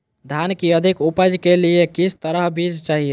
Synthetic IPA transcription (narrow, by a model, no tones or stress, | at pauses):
d̪ʱankiəd̪ʱikupəd͡ʒkeliekit͡ʃʰt̪əɾəɦbʱid͡ʒt͡ʃaɦie